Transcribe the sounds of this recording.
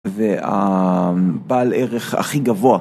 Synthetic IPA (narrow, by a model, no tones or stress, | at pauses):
vea̰ | baleʁeχa̰χiɡavoa